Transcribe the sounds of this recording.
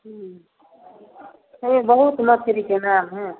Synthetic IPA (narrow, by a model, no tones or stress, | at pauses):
ɦ | ebəɦut̪mət̪ʰeɾikenaːmɦɛ̃